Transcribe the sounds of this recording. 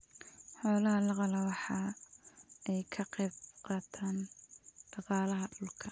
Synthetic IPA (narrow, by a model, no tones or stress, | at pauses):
ħɔːlɐɦɐlɑqɑlɐwɑħɑː | ɛjkʰɐqɛbqɑːt̪ʰaːnɖ̥ɑqɑːlɐɦɐɖʊlkʰɐ